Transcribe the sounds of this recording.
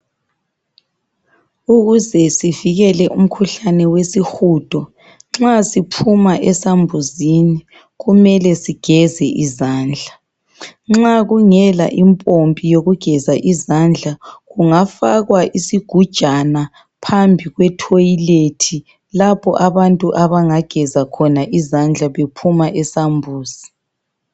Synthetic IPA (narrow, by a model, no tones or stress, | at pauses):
uɣuzɛsiviɣɛlɛʔum̩kʰuɬanɛwesixuːd̥ʱɔ | ŋ͡ǁasipʰumaʔɛsambʱuzini | ɣumɛlɛsiɡ̥ʱɛzɛʔizaːnd͡ɮʱa | ŋ͡ǁaɣuŋɛla̰ʔimpʼompʼijoɣuɡ̥ʱɛzaʔizand͡ɮʱaɣuŋafaɣwaʔisiɡ̥ʱud̥ʒ̥ʱana | pʰambʱiɣwɛtʰojiletʰi | lapʰɔ̰ʔaβantʼuʔaβaŋaɡ̥ʱɛzakʰɔnaʔizand͡ɮʱaβepʰumaʔɛsambʱuːz̥i